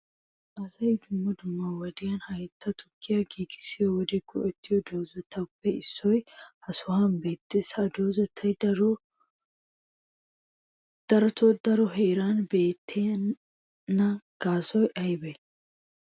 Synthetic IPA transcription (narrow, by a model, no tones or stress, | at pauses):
ʔɐzɐjd̪ʊmːɐd̪ʊmːawɐd̪ɪjɐnhɐjɛt̪ːɐt̪ʰʊkːɪjɐɡiːɡɪ̥sɪjwɔd̪ɪɡɔ̰ʔɛt̪ːɪjɔd̪oːzɐt̪ʰːɐpːɛɪsːɔjhɐsʊhanbe̞ːt̪ːeshɐd̪oːzɐt̪ʰːɐjdɾ | d̪̥ɐɾɐt̪ʰod̪ɐɾɔɦeːɾaːnbeːt̪ːeː | nːɐɡ̥aːsɔjʔɐjbɛ